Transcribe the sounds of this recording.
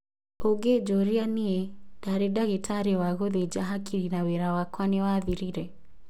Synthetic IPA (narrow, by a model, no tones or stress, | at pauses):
oɡed͡ʒɔɾianied̥aɾedaɣetʰaɾewaɣoðed͡ʒaɦakiɾinaweɾawakwanewaðiɾiɾɛ